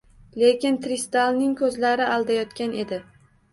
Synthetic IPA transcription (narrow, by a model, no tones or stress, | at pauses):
le̞kʲɪnt̪ɾist̪alˠnɪŋkʰɵzlaɾɪʔalˠd̪ajɒt̪kʲanʔe̞d̪ɪ